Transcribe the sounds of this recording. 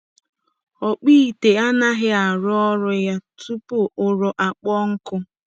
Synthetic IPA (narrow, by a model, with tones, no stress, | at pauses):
ɔ˨k͡piː˦˨te˨a˦na˦ɦɪ˦a˨ɾʊ˦ɔ˦ɾʊ˦ja˦tu˦pʊ˦ʊ˨ɾʊ˨ʔa˨k͡pɔ˦ŋ̩˦kʊ˦